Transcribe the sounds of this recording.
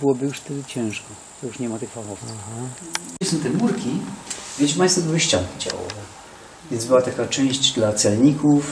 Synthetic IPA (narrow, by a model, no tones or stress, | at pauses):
bɘwɔbɘjuʂft̪ɛd̪ɪt͡ɕɛ̃w̃ʂkɔ | t̪ɔjuʂɲɛmat̪ɛxfaxɔfɦaisɔ̃mt̪ɛmuɾkʲivʲɛt͡ɕʲmʲajst̪sɛbɘwɘɕt͡ɕaŋkʲid͡ʑa̰wɔ̰vɛ | vʲɛnzbɘwat̪akat͡ʂɛ̃w̃ʑd͡ʑd̪lat̪sɛlɲikuf